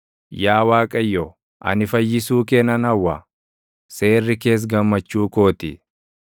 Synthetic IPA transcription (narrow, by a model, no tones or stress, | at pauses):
jaːwaːkʼɐjːɔ | ʔɐ̰nɪfɐjːɪsuːkɛnɐnɐwːɐ | se̞ːrːɪke̞ːs̬ɡɐmːɐt͡ʃːuːko̞ːt̪ɪ